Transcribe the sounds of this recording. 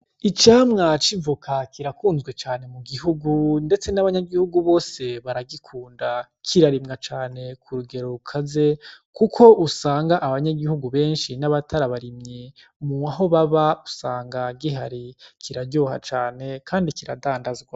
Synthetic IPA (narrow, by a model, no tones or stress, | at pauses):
it͡ʃaːmŋat͡ʃiɱvukʰakʰiɾakuːnzɡwe̞t͡ʃaːne̞muɡiɦuɡunde̞t͡se̞naβaɲaɡihuɡuβo̞ːse̞βaɾaɡikʰuːnda | kʰiɾaɾimŋat͡ʃaːne̞kʰuɾuɡe̞ɾoɾukʰaze̞ | kukʰo̞ʔusaːŋɡaʔːβaɲaɡihuɡuβe̞ːnʃinaβatʰaɾaβaɾimɲe | muaɦo̞βaβausaːŋɡaɡiɦa̰ɾikʰiɾaɾɟo̞ːha̰t͡ʃaːne̞kʰaːndikiɾa̰daːndazɡwa